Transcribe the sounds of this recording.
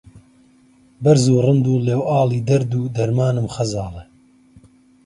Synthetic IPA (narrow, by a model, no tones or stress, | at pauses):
bɐɾzuːrɨnd̪uːleːwaːliːd̪ɐɾd̪uːd̪ɐɾmaːnɨmχɐzɑːle